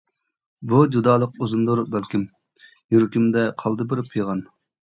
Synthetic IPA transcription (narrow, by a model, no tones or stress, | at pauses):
bud͡ʒud̪ɑːlˠəquzund̪uɾbælkʲim | juɾkʲymd̪ɛqʰɑlˠd̪ɨbɪɾpʰɨjʁɑn